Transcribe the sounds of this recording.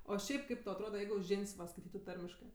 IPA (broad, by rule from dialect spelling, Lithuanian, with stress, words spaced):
oː ˈʃʲɛɪp ˈkɐɪp tɐʊ ɐtˈroːdɐ ˈjɛɪɡʊ ˈʒʲɪnʲsʲ ʋɐ skɐɪˈtʲiːtʊ ˈtɐrʲmʲɪʃkɜ